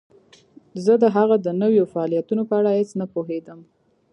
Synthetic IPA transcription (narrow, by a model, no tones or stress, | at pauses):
zəd̪əɦaɣad̪ənəwjofaɑlijat̪unopəaɽahet͡snapoɦed̪əm